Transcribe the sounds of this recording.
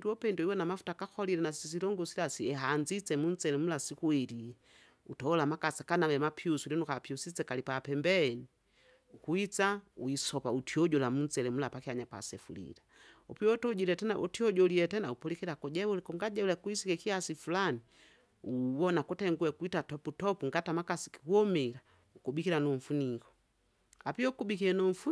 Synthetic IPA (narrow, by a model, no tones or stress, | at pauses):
duɔpɛndɔiwɛnamafu̥takakɔlilɛnassis̬ilɔŋɡɔsilasiɛɦaːnzit͡sɛmun̩t͡sɛlɛmulasikuwɛli | utɔɔlamakasakanawɛmapʰiusulɛnukapiusit͡sɛkalipapɛmbɛni | ukuit͡sauisɔpautiɔɟɔlamunt͡sɛlɛmulapakiaɲapa̰sɛfulḭla | ɔpiɔtɔɟilɛtɛnaʔutiɔɟɔliɛtɛnaupɔlikilakɔɟɛwulɛkɔŋɡaɟɛulɛkuisikɛkiasifulani | uwɔnakutɛŋɡuɛkuitatɔputɔpuŋɡatamakasi̥ki̥kuɔmila | ukubikilanɔɱ̩funikɔ̥ | apiɔukubikiɛnɔɱ̩fu